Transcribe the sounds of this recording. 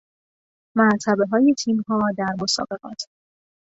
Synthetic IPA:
mæɾt̪ʰæbe̞ɦɒːje̞t̪ʰiːmhɒːd̪æɾmosɒ̰ːbe̞ɣɒːt̪ʰ

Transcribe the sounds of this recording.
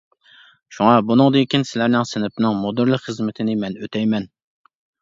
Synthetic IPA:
ʃuŋɑbunɨŋd̪ɨkʲinsɪlæɾnɪŋsɪnɪpnɪŋmod̪ɨɾlˠɨqχəzmɪt̪ʰɪnɪmɛnøt̪ʰɛjmɛn

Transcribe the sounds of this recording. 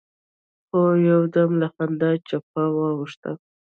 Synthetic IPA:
xojawd̪amlaxand̪at͡ʃap̚awɑwʊʂt̪a̰

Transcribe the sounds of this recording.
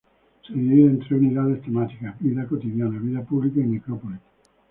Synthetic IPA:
sejeent̪ɾeuniðaðest̪emat̪ikaʋiðakot̪iðjaːnaʋiðepublikoemːikɾopoli̥

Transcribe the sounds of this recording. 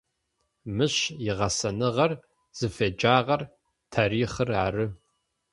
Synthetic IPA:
mɨɕjɪʁɐsɐnɨʁɐr | z̥ɨfeːd͡ʒaːʁɐr | tʰaːɾiːχɨrʕa̰ɾɨ

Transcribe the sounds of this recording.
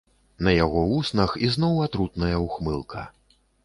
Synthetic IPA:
nɐjaɣɔusnɐxiznɔwat̪ɾut̪nɐjɐwxmɨlˠkʰɐ̰

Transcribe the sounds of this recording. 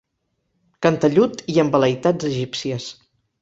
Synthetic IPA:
kənt̪əʎut̪iəmbələjt̪ad͡zəʒipsiəs

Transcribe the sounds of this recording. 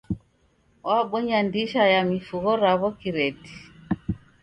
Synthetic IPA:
wʔaɓwɛɲandiʃajamifuɣɔɾaβɔkiɾɛti̥

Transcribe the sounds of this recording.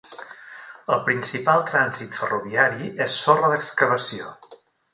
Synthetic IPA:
əlˠpɾinsipalˠt̪ɾanzit̪fəruβiaɾiesːorəðəkskəβəsio

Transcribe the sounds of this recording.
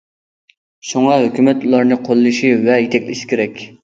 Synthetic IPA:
ʃuŋɑɦøkʲymɛt̪ulˠɑɾnɨqʰolˠːɨʃivɛjet̪ʰɛkʲlʔɪ̰ʃi̥kʲʰeɾɛkʲ

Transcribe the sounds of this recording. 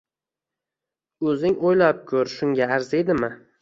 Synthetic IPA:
ɵzɪŋojlap̚kʲʰɵɾʃʊŋɡʲaːɾzed̪ɪmɪ

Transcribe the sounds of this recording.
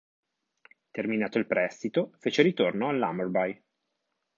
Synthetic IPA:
t̪erminaːt̪oilpɾɛst̪it̪ofeːt͡ʃeɾit̪ornoalːa̰morbaj

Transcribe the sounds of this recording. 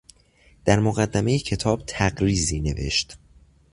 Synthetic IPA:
d̪̥æɾmo̞ɣæd̪ːæme̞jecʰe̞t̪ʰɒːb̚t̪ʰæɡɾiːziːne̞̰ve̞̰ʃt̪

